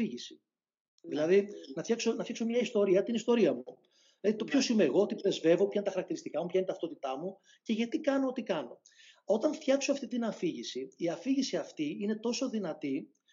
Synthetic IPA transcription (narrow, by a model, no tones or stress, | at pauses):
iʝisi̥ | ðilɐðinɐft̪çɐkso̞nɐfçɐkso̞mɲɐist̪o̞ɾiɐt̪inist̪o̞ɾiɐmu | ðilɐðit̪o̞pço̞simeːɣo̞ot̪ipɾe̞zve̞vo̞pçɐint̪ɐxɐɾɐkt̪iɾist̪ikɐmupçɐint̪ɐft̪ot̪it̪ɐmu | ce̞ʝɐt̪ikɐnoot̪ikɐno̞ | o̞t̪ɐɱft̪çɐkso̞ɐft̪it̪inɐfiʝisiiɐfiʝisiɐft̪iine̞t̪o̞so̞ðinɐt̪i